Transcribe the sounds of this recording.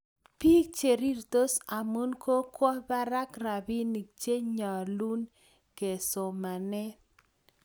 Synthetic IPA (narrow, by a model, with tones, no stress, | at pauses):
pi˦k̚t͡ʃe˨ɾi˦ɾt̪o˦sa˨mu˦nkʰo˦kwɔ˦ba˦ɾa˦kra˨bi˦ni˨k̚t͡ʃe˦ɲɔ˨lu˦n | ke˨so˨ma˨nɛ˦